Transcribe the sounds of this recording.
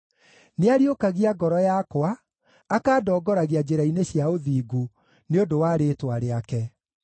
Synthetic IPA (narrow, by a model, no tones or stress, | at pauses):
neaɾiokaɣiaɡɔɾɔjakwaː | kaːdɔːɡɔɾaɣiad͡ʑeɾaineɕiaoðiːɡu | neondowaːɾeːtwaɾeakɛ